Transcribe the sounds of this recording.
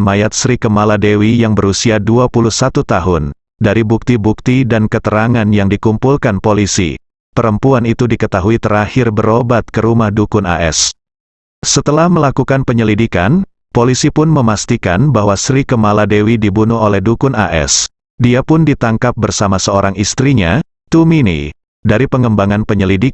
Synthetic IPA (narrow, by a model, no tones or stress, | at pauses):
majat̪̚sɾikəmaladewijaŋbəɾusiaduapuluhsat̪ut̪aɦʊn | daɾibuk̚t̪ibuk̚t̪idankət̪əɾaŋanjaŋdikumpulkanpolisḭ | pəɾəmpuanit̪udikət̪aɦuit̪əɾahɪrbəɾobat̪̚kəɾumahdukʊna̰ʔɛ̰s | sət̪əlahməlakukanpəɲəlidikan | polisipʊnməmast̪ikanbaɦwasɾikəmaladewidibunuɦolɛhdukʊna̰ʔɛ̰s | diapʊndit̪aŋkap̚bərsamasəoɾaŋist̪ɾiɲa | t̪uminḭ | daɾipəŋəmbaŋanpəɲəlidik